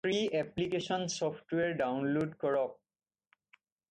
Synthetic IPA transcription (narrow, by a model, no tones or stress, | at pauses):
pɾiɛplikeʃɔnsɔpʰʈweaɾɖawnloɖkɔɹɔ